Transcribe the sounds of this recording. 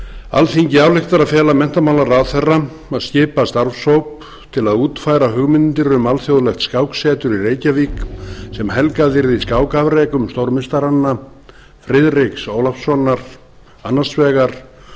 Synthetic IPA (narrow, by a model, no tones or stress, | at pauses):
a̰lθiɲcɪawlɪxt̪aɾaðfjɛːlamɛn̥t̪amawlaraðθɛrːa | aðscɪːpast̪aɾfsowp | t̪ʰɪlaðuːt̪faːjɾaɦʏɣmɪnɪnt̪ɪɾʏmalθjowðlɛxt̪skaːwksɛːt̪ʏɾireːjcaviːksɛmɦɛlkaðɪɾðiskaːwkavɾeːkʏmst̪owɾmɪnst̪aɾanːa | fɾɪðrɪksoːwlafsɔnːaɾ̥ | anːasvɛːɣaɾ̥